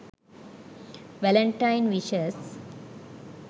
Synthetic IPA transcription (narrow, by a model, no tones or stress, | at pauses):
ʋɛlə̃ɳʈãɪnʋiʃəs